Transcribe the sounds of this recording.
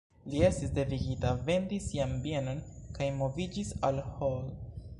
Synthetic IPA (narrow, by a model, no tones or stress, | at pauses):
lie̞stisde̞viɡitave̞ndisːiambie̞no̞nkajmo̞vid͡ʒisalhol